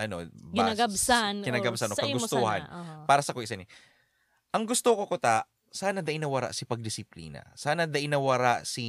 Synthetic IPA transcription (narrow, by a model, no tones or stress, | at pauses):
ʔɐno̰bɪaaɡɐbsankɪnaɡɐbsanʔokɐɡɡʊst̪oha̰npaːɾɐsɐkoʔɪsɐnɪ | ʔɐŋɡʊst̪okokot̪aʔ | saːnɐd̪ɐʔɪnɐwɐɾa̰ʔsɪpɐɡ̚d̪ɪsɪplḭːnɐ̰saːnɐd̪ɐʔɪnːɐwɐɾaʔsi